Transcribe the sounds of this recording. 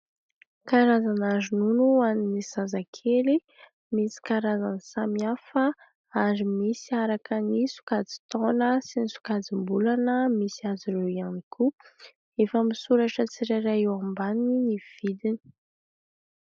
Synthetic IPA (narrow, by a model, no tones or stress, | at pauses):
kaɾazanazununuaninizazakʰeli | misi̥kaɾazanisamiafə | aɾimisiaɾakənisu̥kad͡zi̥t̪onəsinisu̥kad͡zimbulanəmisiaziɾewianikʰu | efamisuɾaʈ͡ʂət͡siɾaɾaiwambaniniv̥id̪ini̥